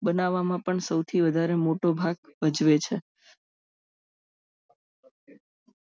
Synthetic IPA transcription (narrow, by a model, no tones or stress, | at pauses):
bənaʋamãpəɳsəwt̪ʰiʋəd̪ʱaɾemoʈobʱaɡʋəd͡ʒʋet͡ʃʰe